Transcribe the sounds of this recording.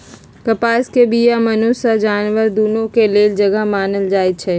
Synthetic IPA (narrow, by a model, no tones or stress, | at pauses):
kɐpaːskebiːjamɐnoːsad͡ʒaːnʋəɾd̪uːnõkeleːld͡ʒɐɡəɦmaːnəld͡ʒaːet͡ʃʰɛ